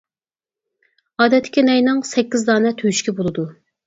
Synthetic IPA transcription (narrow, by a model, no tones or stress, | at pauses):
ɑːd̪ɛt̪ʰːɪ̥kʲinɛjnɨŋsɛkʲːizd̪ɑːnɛt̪ʰøjyʃkʲɛbolˠɨd̪u